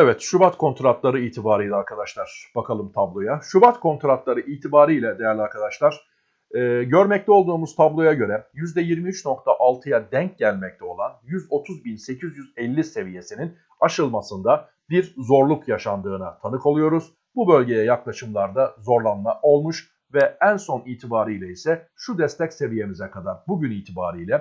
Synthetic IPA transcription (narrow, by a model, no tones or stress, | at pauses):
evɛt̪ʃybat̪kʰo̞nt̪ɾat̪lˠaɾɯiːt̪ʰibaːɾɯjlʲˠɛaɾkʰad̪aʃlˠaɾ̥b̥akʰalˠɯmt̪ʰablˠo̞jaʃubat̪kʰo̞nt̪ɾat̪lˠaɾɯʔiːt̪ʰibaːɾɯjlʲɛd̪e̞jæɾlʲaɾkʰad̪aʃlˠaɾ̥ | ɛːɟø̞ɾmɛc̚t̪ʰɛo̞lˠd̪uːmuz̥t̪ʰablˠo̞jaɟø̞ɾɛjyzd̪ɛjiɾmiyt͡ʃno̞kt̪ʰaʔalˠt̪ʰɯjad̪ɛɲc̚ɟælʲmɛc̚t̪ʰɛo̞lˠanjyzo̞t̪ʰuzbinse̞cʰizjyzɛlʲːise̞vije̞sinin | aʃɯlˠmasɯnd̪a | biɾzo̞ɾlˠukjaʃand̪ɯːnat̪ʰanɯkʰo̞lˠujo̞ɾuz̥ | bubø̞lʲɟe̞jɛjaklˠaʃɯmlˠaɾd̪azo̞ɾlˠanmaʔo̞lˠmuʃ | vɛænso̞niːt̪ʰibaːɾɯjlʲɛisɛʃud̪ɛst̪ʰɛcse̞vije̞mizɛkʰad̪aɾbuɟyniːt̪ʰiba̰ːɾɯjlʲɛ